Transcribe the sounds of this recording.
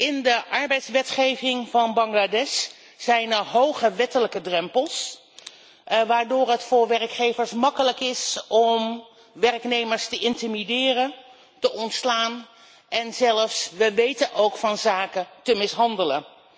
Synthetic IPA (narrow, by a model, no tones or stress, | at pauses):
ɪndəʔɑɹbɛjtsʋɛtχejvɪŋvɑnbɑŋladɛsː | ɛjnəɹɦowχəʋɛtələkədrɛmpəlˠs | ʋaːɹdʊːɹɦətfʊːɹʋɛɹkχejvəɹsmɑkələkɪsɔm | ʋɛrknejməɹstəʔɪntimidɪːrə | təɔntslaːn | ʔɛnzɛləfsʋəʋejtənʔowkfɑnzaːkətəmɪsɦɑndələ̰n